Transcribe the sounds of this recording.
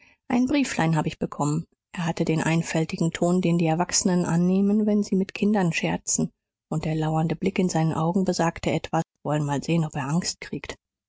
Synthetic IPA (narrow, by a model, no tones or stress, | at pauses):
ʔaɪnbʁiːflaɪnɦaːbəɪçb̥əkʰɔmən | ʔeːɐɦatədeːnʔa̰ɪnfɛltɪɡŋ̩tʰoːndeːndiːɛɐvaksənənʔa̰nːeːmənvɛnziːmɪtkʰɪndɐnʃɛɐt͡sn̩ | ʔʊnt̚d̥eːɐlaʊɐndəblɪkɪnzaɪnənʔaʊɡŋ̩bəzaːktəɛtv̥asv̥ɔlənmaːlzeːənɔpeːɐʔaŋst̚kʁ̥iːkt